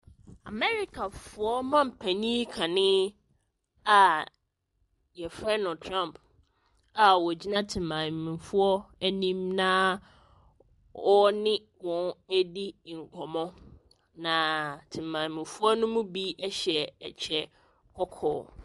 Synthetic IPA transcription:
a̰˨mɛ˦ɾi˦kʰa˨fʊ˨ɔ˦mã˦m̩˨pʰæ˨ɲĩ˦kʰã˨nɪ̃˦ | a˨ | jɛ˨fɾɛ˦na˨tʰɾã˦mpʰ | a˨wɔ˨d͡ʑi˦nã˦tʰɪ̃˨mːã˨mĩ˨fʊ˦ɔ˦æ˦nĩ˦mnãː˦ | ɔ˦nɪ̃˦ | wɔ̃˨næ˦di˦˨ŋ̩˨kʰɔ˨mɔ̃˦ | nã˨tʰɪ̃˨mːã˨mĩ˨fʊ˦ɔ˦nʊ̃˦mũ˦bi˦ʔɛ˦ɕɛ̰˨t͡ɕʰɛ˦ | kʰɔ˦kʰɔ̰ː˨˦

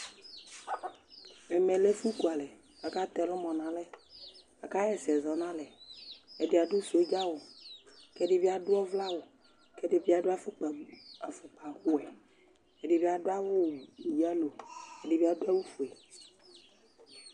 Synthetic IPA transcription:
e˨mẽ˨le˦fu˦ku˨a˨le˨ | a˨ka˦t̪ɛ˨lɔ˦mɔ̃˨nã˨le˦ | a˨ka˦jɛ˨sɛ˨zɔ˨nã˦le˨e˨di˦a˨ɖu˦su˨e˦d͡ʒa˦wo˨ke˦ɖe˦vi˦a˨ɖʊ˦ɔ˦vla˦wo˨ | ke˦ɖe˦vi˦a˨ɖo˦a˦fu˦k͡pa˨˦a̰˨fu˨k͡pa˨xu˦ɛ˨ | e˨ɖe˦vi˦a˨ɖo˦a˦wʊ˦˨i˨d͡ʒa˦lo˨e˦ɖi˦bi˦a˦do˦a˦wu˦fu˨ɛ˨

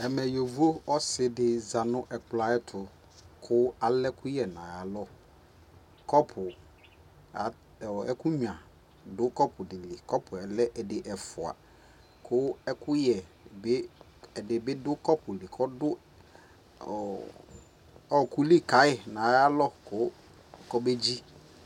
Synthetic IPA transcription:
ɛ˨mɛ˨jo˨vu˦o˦ɔ˦sɪ˦dɪ˨za˨nʊ̃˦ʔɛ˨k͡pla˨ɛ˦tʰʊ˨ | kʰʊ˦a˨lɛ˦kʰʊ˦jɛ˨nã˨ja˨lɔ˦ | kɔ˦pʰʊ˨ | a˨ | ɔ˨ɛ˦kʊ˦ɲ˨ã˨ | dʊ˦kɔ˦pʰʊ˨dɪ˨lɪ˨kɔ˦pʰʊ˨ɛ˨lɛ˦ʔɛ˨dɪ˨ʔɛ˨fʊ˨a̰˨ | kʰʊ˦ɛ˦kʊ˦jɛ˨ | bɪ˦ | ɛ˨dɪ˨bɪ˦dʊ˦kɔ˦pʊ˨li˨kʰɔ˦dʊ˦ | ɔ˨ | ɔ˨ku˦li˦ka˨˦ɪ˦˨nã˨ja˦lɔ˦kʊ˦ | kɔ˦be˦d͡ʑi˦

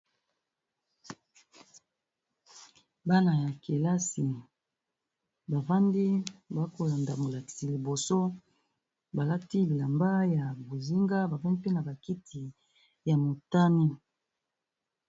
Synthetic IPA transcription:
ba˦na˨ja˨ke˨la˦si˨ | ba˨va˦ndi˦ba˨˦ko˨la˨nda˨mo˨la˨ki̥˨si˨li˨bo˨so˦ | ba˨la˦ti˦li˨la˨mba˦ja˨bo˨zi˦ŋɡa˦ba˨va˦ndi˦pe˦na˨ba˨ki˦tʰi˨ | ja˨mo˨ta˦ni˦

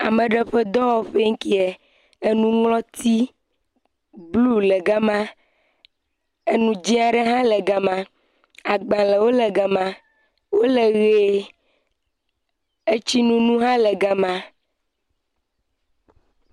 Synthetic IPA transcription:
a˨me˨ɖe˦ɸe˦d̪ɔ˦wɔ˦ɸe˦ŋ̩˦ki˦ɛ˨ | e˦nũ˦ŋlɔ̃˦t̪i˦ | blu˦lɛ˨ɡa˦mã˦ | e˦nũ˨d͡ʒĩ˦a˨ɖe˦ɦã˦lɛ˨ɡa˨mã˨ | a˨ɡ͡bã˨le˨wo˦le˨ɡa˨mã˨ | wo˦le˨ɣe˨˦ | e˦t͡ɕi˦nũ˦nũ˦ɦã˦lɛ˨ɡa˨mã˨

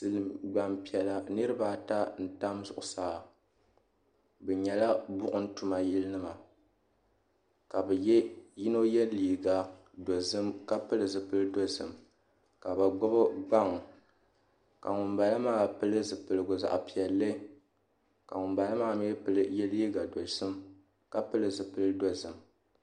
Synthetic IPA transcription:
sɨ˦lɨ˨mɡ͡ba˨mpi˨ɛ˨la˦nɨ˦ɾɨ˦baː˦ta˦n̩˨ta˦mzʊ˨ʔʊ˨saː˨ | bɛ˨ɲɛ˨la˦bʊ˦ʔʊ˦n̩˦tu˨ma˨ji˦lnɨ˦ma˨ | ka˨bɛ˨jɛ˦ji˦no˦jɛ˦liː˨ɡa˨ | do˨zɨ˦mka˦pɨ˦lɨ˨zɨ˨pɨ˦lɨ˦do˦zɨ˨m | ka˨bɨ˨ɡ͡bɔ˦bɔ˦ɡ͡ba˦ŋ˨ | ka˨ŋʊ˨mba˨lɨ˦maː˦˨pɨ˦lɨ˦zɨ˨pɨ˨lɨ˨ɡʊ˨za̰˨ʔpi˨ɛ˨lːɨ˦ | ka˨ŋʊ˨mba˨la˦maː˦˨˦m˦ɛ˦pɨ˦lɨ˦jɛ˦liː˦ɡa˨do˨lsɨ˦m | ka˦pɨ˦lɨ˨zɨ˨pɨ˦lɨ˦do˦zɨ˨m

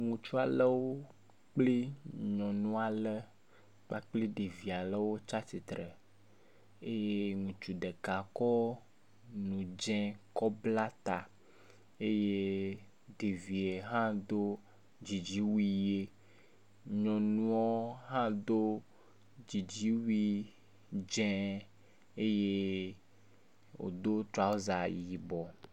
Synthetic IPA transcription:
ŋũ˨t͡ʃu˦a˨lə˦wo˦ | k͡ple˦ɲɔ̃˨nũ˦a˨lə˦ | k͡pa˦k͡pli˦ɖe˨vi˨a˨lə˦wo˦t͡ʃa˦si˨t̪ɾɛ˨ | e˦je˦ŋũ˨t͡ʃu˨ɖɛ˨ka˨kɔ˦ | nũ˨d͡ʒɛ̃˦kɔ˦bla˦t̪a˨ | e˦je˦ | de˨vi˨e˨ɦã˦d̪o˦ | d͡ʒi˨d͡ʒi˦wi˦je˦ | ɲɔ̃˨nũ˦ɔ˦ɦã˦d̪o˦ | d͡ʒi˨d͡ʒi˦wi˦ | d͡ʒɛ̃˦ | e˦je˦ | wo̰˨d̪o˦t̪ɾa˨wo˦za˨ji˨bɔ˨

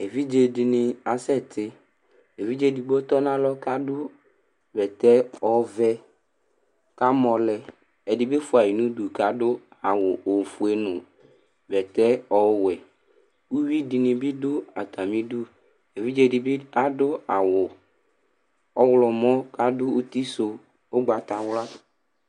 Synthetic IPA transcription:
e˨vi˦d͡ʒe˨dɪ˨nɪ˨a˨sɛ˦˨t̪ɪ˦ | e˨vi˦d͡ʒe˦˨di˨bo˦t̪ɔ˦nã˦lɔ˦ka˦dʊ˦ | vɛ˨t̪ɛ˦ɔ˨vɛ˦ | ka˦mɔ̃˨lɛ˨ | ɛ˨dɪ˨bɪ˦fʊ˨a˨ji˨nũ˦du˨ka˦dʊ˦a˨wʊ˨ʔo˨fu˨e˨nʊ̃˨ | vɛ˨t̪ɛ˦ɔ˨˦wɛ˨ | u˦wi˦di˨nĩ˨bi˦dʊ˦a˨t̪ʰa˨mĩ˦du˦ | e˨vi˦d͡ʒe˦di˨be˦a˨dʊ˦a˨wʊ˨ | ɔ˦wlɔ˨mɔ̃˦ka˦dʊ˦u˦t̪i˦so˨ | o˦ɡ͡ba˨t̪a˨wla˦

